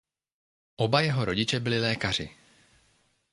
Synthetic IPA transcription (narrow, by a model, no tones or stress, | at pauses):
ʔo̞bajɛɦo̞ɾo̞ɟɪt͡ʃɛbɪlɪlɛːkar̝ɪ̰